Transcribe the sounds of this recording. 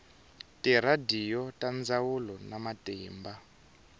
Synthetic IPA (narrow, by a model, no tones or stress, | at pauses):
tiɾadijɔtand͡zawulɔnamatɛːmba